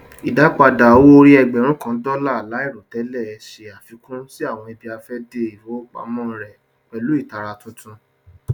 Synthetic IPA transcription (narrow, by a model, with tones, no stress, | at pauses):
i˨da˨˦k͡pa˧da˨wo˦o˧ɾi˦ɛ˧ɡ͡bɛ˨ɾ̃ũ˦kã˦dɔ˦la˦˨la˨˦i˦˨ɾo˨tɛ˨˦lɛ˦˨ʃe˨a˨fi˨˧˦kũ˦si˦a˦˨w̃ɔ̃˧i˧bi˧a˧fɛ˦de˧i˨fo˨˦k͡pa̰˧˦mɔ̃˦ɾɛ˨ | k͡pɛ˨lu˨˦i˦˨ta˨ɾa˧tũ˧tũ˧